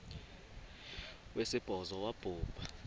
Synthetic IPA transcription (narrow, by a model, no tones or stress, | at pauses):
wesib̥ʱɔzɔwab̥ʱuːpʼa